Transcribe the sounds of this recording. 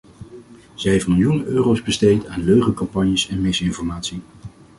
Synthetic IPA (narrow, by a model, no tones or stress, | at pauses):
z̥ɛfəmɪlˠjunøːrowzbəstejtaːnløɥχəkɑmpɑɲjəsɛnmɪsɪnfɔɹmaːtsi